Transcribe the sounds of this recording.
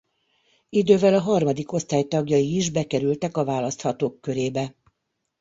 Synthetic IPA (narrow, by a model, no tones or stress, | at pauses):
id̪øːvɛlɒɦɒrmɒd̪iko̞st̪aːjt̪ɒɡjɒiːʒbɛkɛɾylt̪ɛkɒvaːlɒst̪hɒt̪oːkːø̞ɾeːbɛ